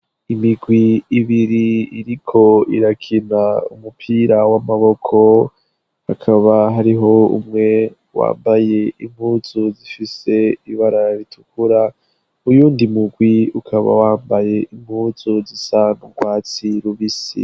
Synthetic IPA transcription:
imiɡwiːβiɾiiɾikʰo̞iɾakʰinaṵmupʰiːɾawamaβo̞kʰo | hakʰaβaɦaɾiɦo̞ṵmŋe̞ | wa̰ːmbaje̞imhuːzuzifise̞iβaɾaɾitʰukuɾa | ujuːndimuɡwiukʰaβa̰waːmbaje̞ʔim̥huːzuzisanuɡwaːt͡siɾuβisḭ

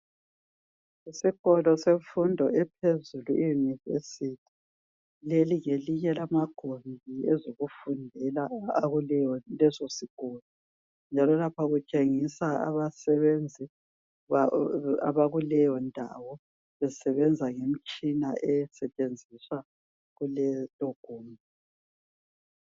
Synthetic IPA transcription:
isiɣɔlɔsefundʱɔɛp̚ʰezuluʔijunivḛsitʰi̥ | leliɣeliɲɛlamaɡ̥ʱombʱiɛzoɣufundʱɛlaːɣulɛjɔlɛzosiɣ̥ʱɔːlɔ | nd͡ʒʱalɔlapʰaɣut͡ʃʼeŋisaa̰βasɛβend͡zʱi | aa̰βaɣulɛjɔndʱa̰wɔ | βɛsɛβɛnd͡zʱaŋem̩t͡ʃʼinaʔɛsɛt͡ʃʼend͡zʱiswa | ɣulɛloɡ̥ʱuːmi

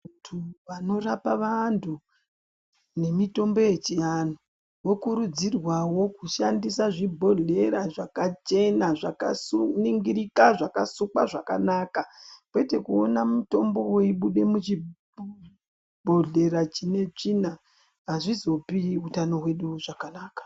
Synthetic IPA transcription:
utʰuʋano̞rapaʋantʰu | ne̞mito̞mbo̞je̞t͡ʃijano | wo̞kuɾud͡zirwawo̞kuʃandisaʐibʱo̞ɮe̞ɾaʐakat͡ʃe̞naʐaka̰suniŋɡiɾikaʐakasukaʐaka̰nakakwe̞te̞kuo̞namuto̞mbo̞weiɓuɗe̞mut͡ʃi | bʱo̞ɮe̞ɾat͡ʃine̞t͡ʂina | ɦaʐizo̞piutano̞ɦwe̞ɗuʐakanaːkḁ

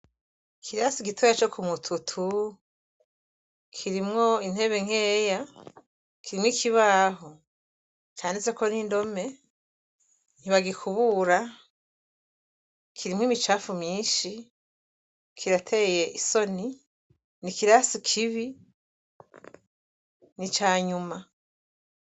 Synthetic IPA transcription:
kʰiɾasiɡitʰojat͡ʃokʰumutʰutʰu | kʰiɾimŋo̞in̥he̞βe̞ŋ̥he̞ːja | kʰiɾimwikʰiβaɦo | t͡ʃaːnezeko̞nindo̞me̞ | niβaɡikʰuβuɾa | kʰiɾimŋiːmit͡ʃaːfumɲiːʃi | kʰiɾatʰe̞je̞ʔiso̞ni | nikiɾasikʰiβi | nit͡ʃaːɲuma

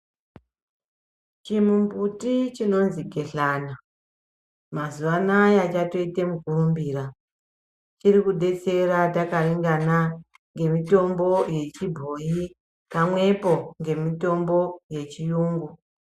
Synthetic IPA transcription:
t͡ʃimumbutit͡ʃino̞nziɡʱe̞ɬaːna | mazuʋanajat͡ʃato̞itemukurumbiːra | t͡ʃirikuɗe̞t͡se̞ratakariŋɡana | ŋɡe̞mito̞mbo̞je̞t͡ʃibʱo̞ji | pamwe̞po̞ŋɡe̞mito̞mbo̞je̞t͡ʃijuːŋɡu

